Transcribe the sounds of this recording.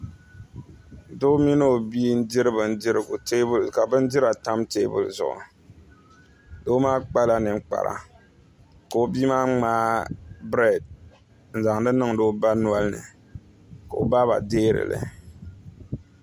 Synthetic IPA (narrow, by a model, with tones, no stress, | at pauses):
do˦mi˦no˦o˨biː˦n̩˦dɪ˦ɾɨ˦bɨ˨n̩˦dɪ˦ɾɨ˨ɡʊ̰˨te˦bʊ˦lka˨bɨ˦n˦dɪ˦ɾa˨ta˦mteː˦bʊ̰˨lzʊ̰˨ʔʊ̰˨ | doː˦maː˦k͡pa˦la˦nɨ˨ŋ͡mk͡pa̰˨ɾa̰˨ | ka˨o˦biː˦maː˦ŋ͡maː˦bɾɛ˦˨d̚ | n̩˨za˨ŋdɨ˦nɨ˦ŋdo˦ba˦nu˦a˦lnɨ̰˨ | ka˨o̰˨ba˦ba̰˨deː˦ɾɨ̰˨lɨ̰˨